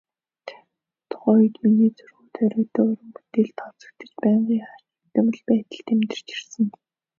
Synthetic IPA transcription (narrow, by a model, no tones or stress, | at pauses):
t̪ʰ | t̪χɔjɞ̆t̪miniːt͡sɵrɣuːt̪ʰœɾʲɪ̆kt̪əːʊɾə̆mpu̥t̪eːɮt̪ʰɔt͡sɞ̆k̚t̪ə̆t͡ɕpæːɴɢiːχat͡ɕi̥kt̪æ̆ːmə̆ɮpæːt̪ə̆ɮt̪ʰemt̪ɘ̆r̥t͡ɕi̥rsɘ̆n